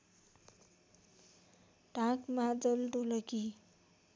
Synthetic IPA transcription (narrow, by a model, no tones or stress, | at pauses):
ʈãkmad͡zʌlɖolʌki